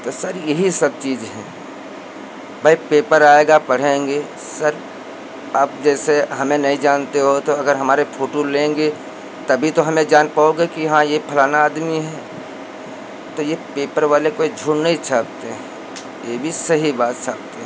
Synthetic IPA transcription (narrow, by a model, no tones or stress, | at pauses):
t̪osəɾjɐɦisɐb̚t͡ʃiːd͡ʒɦɛ̃ | bʱaipeːpəɾaːeɡapɐɽ̤ẽːŋɡe | səɾ | aːb̚d͡ʒɛːseɦɐmẽnɐɦĩd͡ʒaːnt̪eɦot̪oɐɡəɾɦɐmaːɾepʰoːʈolẽːŋɡe | t̪ɐbʱit̪oɦɐmẽd͡ʒaːnpaːoɡekiɦãjepʰɐlaːnaːd̪miɦɛ̃ | t̪ojepeːpəɾʋaːlekoːid͡ʒʱuɽnəit͡ʃʰaːb̚t̪eɦɛ̃ | jebʱisɐɦibaːt̪t͡ʃʰa̰ːb̚t̪eɦɛ̃